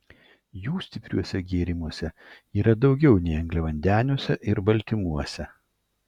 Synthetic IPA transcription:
juːsʲt̪ʲɪpʲɾʲuɔsʲɛɡʲeːɾʲɪmuɔsʲɛ | iːɾɐd̪ɒʊɡʲɛʊnʲɛɪɐŋɡlʲɛʋɐnʲd̪ʲæːnʲuɔsʲɛʔɪɾbɐlʲt̪ʲɪmuɔsʲɛ

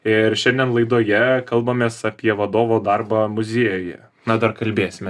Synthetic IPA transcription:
ɪrʃʲɛnʲd̪ʲɛnlˠɐɪd̪oːjɛkɐlˠbɐmʲeːsɐpʲiɛʋɐd̪oːʋoːd̪ɐrbɐmʊzʲeːjojɛ̰ | nɐd̪ɐrkɐlʲbʲeːsʲɪmʲɛ

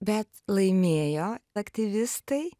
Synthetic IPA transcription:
bʲɛt̪lˠɐɪmʲeːjoːɐkt̪ʲɪʋʲɪst̪ɐɪ

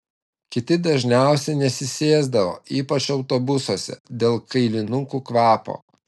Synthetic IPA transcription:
kʲɪt̪ʲɪd̪ɐʒʲnʲæˑʊsʲɛnʲɛsʲɪsʲeːzd̪ɐʋo̰ːiːpɐt͡ʃɒʊt̪obʊsoːsʲɛ̰d̪ʲeːlˠkɐɪlʲɪnʊŋkuːkʋɑːpo̰ː

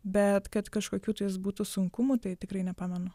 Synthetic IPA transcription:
bʲɛt̪kɐt̪kɐʃkoːkʲuːt̪ʊjɪsbuːt̪usʊŋkʊmut̪ɐɪt̪ʲɪkɾɐɪnʲɛpɑːmʲɛnʊ

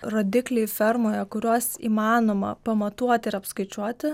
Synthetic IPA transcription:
ɾoːd̪ʲɪklʲɛɪfʲɛɾmoːjɛkʊɾʲuɔsḭːmɑːnoːmɐ̰pɐmɐt̪uɔt̪ʲɪɪɾɐpskɐɪt͡ʃʲuɔt̪ʲɪ

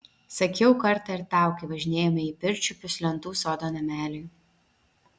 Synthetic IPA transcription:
sɐkʲɛʊkɐɾt̪ɐɪɾt̪ɑˑʊkʲɪʋɐʒʲɪnʲeːjɛmʲɐipʲɪɾʲt͡ʃʲupʲʊsʲlʲɛnt̪uːsoːd̪oːnɐmʲæːlʲɪj

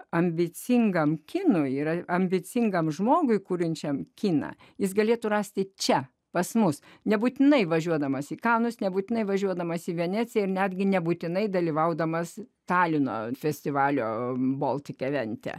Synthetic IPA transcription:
ɐmʲbʲɪt͡s̪ʲɪŋɡɐmkʲɪnʊiːɾɐɐmʲbʲɪt͡s̪ʲɪŋɡɐmʒmoːɡʊɪkuːɾʲɪnʲt͡ʃʲɛmkʲiːnɐ̰ | jɪsɡɐlʲeːt̪ʊrɑːsʲt̪ʲɪt͡ʃʲɛ | pɐsmʊsnʲɛbuːt̪ʲɪnɐɪʋɐʒʲuɔd̪ɐmɐsiːkɑːnʊsnʲɛbuːt̪ʲɪnɐɪʋɐʒʲuɔd̪ɐmɐsiːʋʲɛnʲæːt͡sʲɪjɛɪrnʲæːd̪ʲɡʲɪnʲɛbuːt̪ʲɪnɐɪd̪ɐlʲiʋɐʊd̪ɐmɐst̪ɑːlʲɪno̰ːfʲɛsʲt̪ʲɪʋɑːlʲo̰ːboːlˠt̪ʲɪkʲɛʋʲɛnʲt̪ʲɛ̰

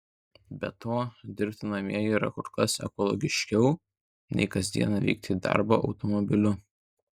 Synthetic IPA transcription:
bʲɛt̪oːd̪ʲɪɾʲpʲt̪ʲɪnɐmʲiɛjiːɾɐkʊɾkɐsɛ̰kɔlˠɔ̰ɡʲɪʃʲkʲɛʊ | nʲɛ̰ɪkɐzʲd̪ʲiɛnɐʋʲɛ̰ɪk̚t̪ʲid̪ɐ̰ɾboʔɒʊt̪ɔmɔbʲɪlʲʊ

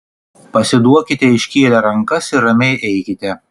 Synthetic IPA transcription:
pɐsʲɪd̪uɔkʲɪt̪ʲɛɪʃʲkʲiːlʲɛɾɐŋkɐsɪɾɐmʲɛɪʔɛɪkʲɪt̪ʲɛ

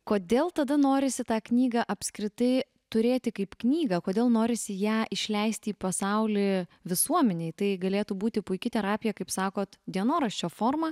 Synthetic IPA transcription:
koːd̪ʲeːlˠt̪ɐd̪ɐnoːɾʲɪsʲɪt̪ɑːknʲiːɡɐʔɐpʲsʲkɾʲɪt̪ɐɪ | t̪ʊɾʲeːt̪ʲɪkɐɪpknʲiːɡɐkoːd̪ʲeːlˠnoːɾʲɪsʲɪjæːʔɪʃʲlʲɛɪsʲt̪ʲiːpɐsɐʊlʲɪʋʲɪsuɔmʲɛnʲeɪt̪ɐɪɡɐlʲeːt̪uːbuːt̪ʲɪpʊɪkʲɪt̪ʲɛɾɑːpʲɪjɛkɐɪpsɑːkoːt̪d̪ʲiɛnoːɾɐʃʲt͡ʃʲoːfoːrmɐ

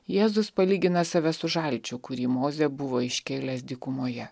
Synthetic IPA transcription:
jeːzʊspɐlʲiːɡʲɪnɐsɑʋʲɛsʊʒɐlʲt͡ʃʲʊkʊɾʲiːmoːzʲɛbʊʋoːɪʃʲkʲeːlʲɛsd̪ʲiːkʊmoːjɛ

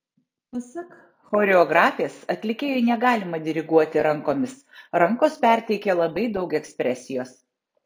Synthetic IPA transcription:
pɐsɐk | xoːɾʲɛɔɡɾɑːfʲeːsɐt̪ʲlʲɪkʲeːjoɪnʲɛɡɑːlʲɪmɐd̪ʲɪɾʲɪɡuɔt̪ʲɪɾɐŋkoːmʲɪs | ɾɐŋkoːspʲæˑɾʲt̪ʲɛɪkʲelˠɐbɐɪd̪ɒʊkɛksʲpʲɾʲɛsʲɪjoːs

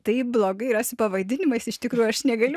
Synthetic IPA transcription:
t̪ɐɪblˠoːɡɐɪiɾɐsʲɪpɐʋɐd̪ʲɪnʲɪmɐɪsɪʃt̪ʲɪkɾuːjʊɐʃnʲɛɡɐlʲʊ

